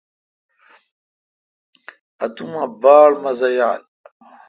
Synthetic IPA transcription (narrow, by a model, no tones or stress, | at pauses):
at̪umabaːlmazɐjaːl